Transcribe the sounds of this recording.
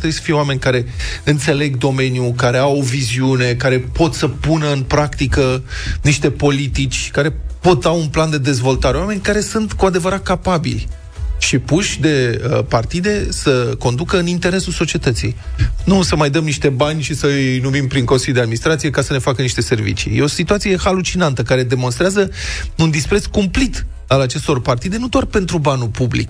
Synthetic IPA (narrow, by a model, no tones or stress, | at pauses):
t̪ebuisə̥fije̞owame̞nʲkaɾe̞ɨnt̪se̞le̞ɡd̪o̞me̞njukaɾe̞awo̞viziune̞kaɾe̞po̞t̪səpunəɨnpɾakt̪ikəniʃt̪e̞po̞lit̪it͡ʃʲkaɾe̞po̞t̪aunpland̪e̞d̪e̞zvo̞lt̪aɾe̞wame̞nʲkaɾe̞sunt̪kuad̪e̞vəɾat̪̚kapabḭlʲ | ʃipuʃʲd̪e̞əpart̪id̪e̞səko̞nd̪ukəɨnint̪e̞ɾe̞sulso̞t͡ʃie̞t̪ət̪sḭjnusəmajd̪əmniʃt̪e̞banʲʃisəɨjnumimpɾiŋko̞nsilʲjud̪ead̪minist̪ɾat̪sije̞kasəne̞fakəniʃt̪e̞se̞rvḭt͡ʃḭjeo̞sit̪uat̪sije̞halut͡ʃinant̪əkaɾe̞d̪e̞mo̞nst̪ɾeazəund̪ispɾe̞t̪skumplit̪ | alat͡ʃe̞st̪o̞rpart̪id̪e̞nud̪oarpe̞nt̪ɾubanupublḭk